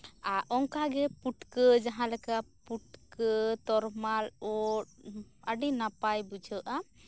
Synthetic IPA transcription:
aʔɔŋkaɡɛpuʈkəd͡ʒaɦãlɛkapuʈ̚kət̪ɔɾmalɔʈ̚əɖinapajbud͡ʒʱəʔa

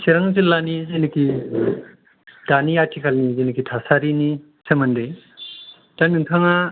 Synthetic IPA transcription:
sʰiɾaŋzilːanizeniki | d̥aniatʰikʰalnizenikitʰasaɾini | sʰɯmande | tanɯŋtʰaŋa

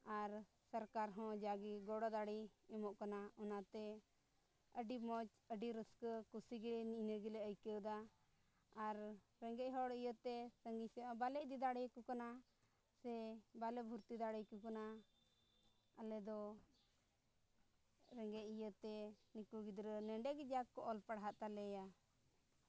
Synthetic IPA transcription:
aɾ | səɾkaɾɦɔ̃d͡ʒaɡiɡɔɽɔd̪aɽiɛmɔʔkanaɔnat̪ɛ | əɖimɔt͡ʃ | əɖiɾəskəkusiɡilɛniʔnəɡilɛəjkəwd̪aː | ɾː | ɛŋɡɛʔɦɔɽijət̪ːɛsəŋɡijsɛabalɛʔd̪id̪aɽɛjkukana | sɛbalɛbʱuɾt̪id̪aɽɛjkukana | alɛd̪ɔ | ɾɛŋɡɛʔijət̪ɛnikuɡid̪ɾənɛɳɖɛɡd͡ʒakːɔʔɔlpaɽɦaʔt̪alɛja

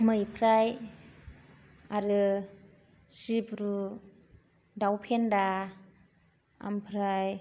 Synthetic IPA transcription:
mɯjpʰɾaj | aɾɯ | sibɾu | dawpʰenda | a̰mpʰɾaj

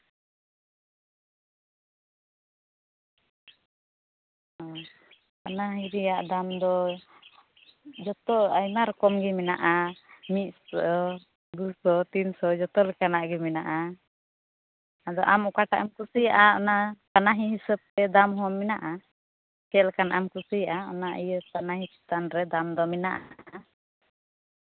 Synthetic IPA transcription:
ɔ | anaɦiɾijaʔd̪amd̪ɔ | d͡ʒɔt̪ɔajmaɾɔkɔmɡɛmɛnaʔamit̪̚s | d̪usɔt̪insɔd͡ʒɔt̪ɔlɛkanaʔɡimɛnaʔa | ad̪ɔʔamukaʈaʔɛmkusijaʔaɔ̰nat̪anaɦiɦisəb̚t̪ɛd̪amɦɔmːɛnaʔa | kɛlɛkanʔamkusijaʔaɔ̰naʔijət̪anaɦisɛ̥t̪anɾɛd̪amd̪ɔmɛnaʔa

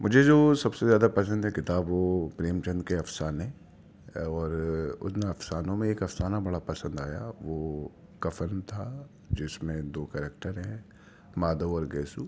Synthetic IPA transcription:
mʊd͡ʒʱed͡ʒoːsɐbsezjaːd̪apɐsə̃nd̪ɦɛkɪt̪aːbʋoːpɾeːmt͡ʃɐ̃nd̪keɐfsaːnɦɛ̃ | ɔːɾʊ̰nnɐfsaːnõmẽeːkɐfsaːnabɐɽapɐsə̃nd̪aːja̰ʋoː | kɐfəɾnt̪ʰa | d͡ʒɪsmẽd̪oːkɛːɾek̚ʈəɾɦɛ̃ | maːd̪oɔːɾɡɛːsuː

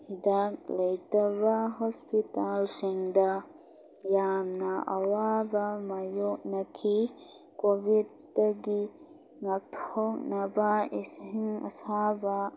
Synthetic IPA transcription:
hidak̚lɐjtɐbɐɦɔspitalsiŋdɐ | jamnɐʔa̰wabɐmajok̚nɐkʰikobʱid̚ːɐɡi | ŋak̚tʰɔk̚nɐbaisiŋɐ̰saba

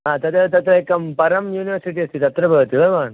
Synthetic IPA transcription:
ɦãt̪ɐt̪ɐt̪ɐt̪ɾɐekɐmpɐɾɐmjuːniʋəɾsiʈiɐst̪iːt̪ɐt̪ɾɐbʱɐɡt̪iʋɐʋan

